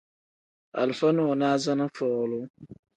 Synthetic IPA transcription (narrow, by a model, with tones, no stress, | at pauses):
a̰˨lfa˦nʊ˦ɔ˨naː˦za˦nɨ˦fɔː˨ɣlʊ˦